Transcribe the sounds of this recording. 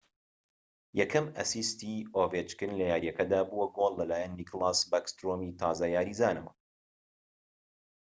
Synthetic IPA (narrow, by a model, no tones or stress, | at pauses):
jɐkʰɐmɐ̰sist̪iːoːvet͡ʃkɨnlɐjaːɾijɐkɐd̪aːbuwɐɡolːɐlaːjɛnːiklˠasbakst̪ɾoːmiːt̪ʰaːzajaːɾiːzaːnɐwɐ̰